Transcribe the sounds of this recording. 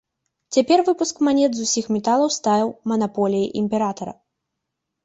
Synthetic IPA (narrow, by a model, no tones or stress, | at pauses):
t͡sʲapʲɛrvɨpuskmanʲɛd̪zusʲixmʲɛt̪alˠɐwst̪ajʲiwmɐnapɔlʲijiʔimʲpʲɛɾat̪ɐɾɐ̰